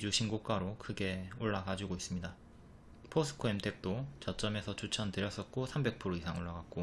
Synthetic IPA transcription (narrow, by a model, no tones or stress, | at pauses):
id͡ʑuɕʰinɡok͈aɾokɯɡe̞oɭːaɡad͡ʑuɡois͈ɯmɲida | pʰosʰɯ̥kʰoemtʰe̞k̚t͈ot͡ɕʌt͡ɕ͈ʌme̞sʰʌt͡ɕut͡ɕʰʌnteɾjʌs͈ʌt̚k͈osʰambe̞k̚pʰɯɾoisʰaŋoɭːaɡat̚k͈o